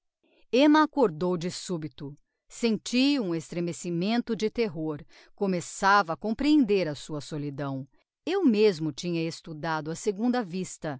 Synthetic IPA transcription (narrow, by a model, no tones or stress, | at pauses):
ẽmɐakoɾd̪owd͡ʒɪsubit̪ʊ | sẽnt͡ʃiũest̪ɾemesimẽnt̪ʊd͡ʒɪt̪eɦoɾ | komesavɐːkõpɾiẽnd̪eɾɐsuɐsolid̪ɐ̃w̃ | ewmezmʊt͡ʃĩɲɐest̪ud̪ad̪ʊɐseɡũnd̪ɐvist̪ɐ